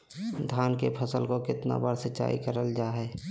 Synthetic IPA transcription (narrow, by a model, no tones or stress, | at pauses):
d̪ʱjaːnkepʰəsəlkokɪt̪na̰bəɽsət͡ʃa̰ːḭkəɾəld͡ʒaːɦɛː